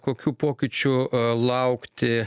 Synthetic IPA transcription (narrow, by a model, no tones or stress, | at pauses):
koːkʲuːpoːkʲɪt͡ʃʲʊlˠɐʊkt̪ʲɪ